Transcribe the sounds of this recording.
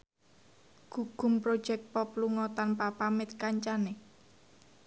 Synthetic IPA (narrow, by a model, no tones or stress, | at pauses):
ɡ̥uɡ̥ʊ̤mpɾod̥ʒ̥ɛk̚t̪̚pɔpluŋɔt̪anpapamɪt̪̚kaɲt͡ʃane